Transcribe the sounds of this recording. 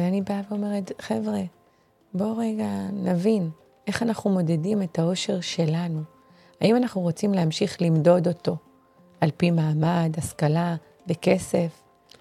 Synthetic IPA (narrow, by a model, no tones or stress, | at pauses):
eanibaveo̞me̞ʁetχevʁe̞ | bo̞ʁe̞ɡanavin | e̞χanaχnumo̞de̞dime̞tao̞ʃe̞ʁʃe̞lanu | aimanaχnuʁo̞t͡simleamʃiχlimdo̞do̞to̞ | alpimaːmadaskala | beke̞se̞f